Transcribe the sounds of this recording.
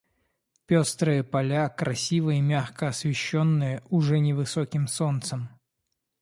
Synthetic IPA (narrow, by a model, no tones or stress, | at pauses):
pʲost̪ɾɨjəpɐlʲakɾʔɐsʲivɨjimʲaxkəɐsvʲɪɕːonːɨjəʔʊʐɛnʲɪvɨsokʲɪmso̞nt̪səm